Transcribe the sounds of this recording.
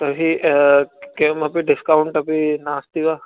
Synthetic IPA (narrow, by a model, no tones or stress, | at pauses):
kɐbʱi | kemɐpiɖɪskaʊɳʈɐpinaːst̪iʋaː